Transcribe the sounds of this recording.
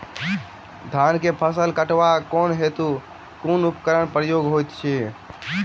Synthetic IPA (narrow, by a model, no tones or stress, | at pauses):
d̪ʱankepʰəsəlkəʈʋakonɦet̪u | kunupkəɾənpɾəjoɡɦojt̪t͡ʃʰi